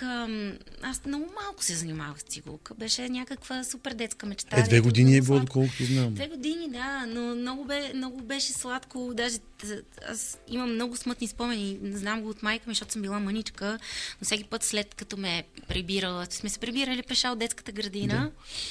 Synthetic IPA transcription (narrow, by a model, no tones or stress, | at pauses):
əmasmnɔɡʊmalˠkʊ̥sɛzɐnʲimavəxst̪iɡṵkəbɛʃɛnʲakəkvəsupɛɾd̪ɛt̪skəmɛt͡ʃɛ̥t̪aɛvɛɡod̪iniɛbilˠɔd̪okɔlˠkʊt̪oznamd̪vɛɡod̪inid̪anomnɔɡʊbɛmnɔɡʊbɛʃɛslˠat̪kod̪aʒɛ | a̰siməmːnɔɡʊsmɤt̪nispɔmɛninɛznamɡoːt̪majkəmiʃtot̪ʊ̥səmbilˠamənit͡ʃkənofsʲɛk̬ʲipɤt̪slɛt̪kɐt̪ɔmɛpɾɛbiɾəlˠəsmɛsɛ̥pɾɛbiɾəlipɛʃaod̪ɛt̪kə̥t̪əɡɾɐd̪inə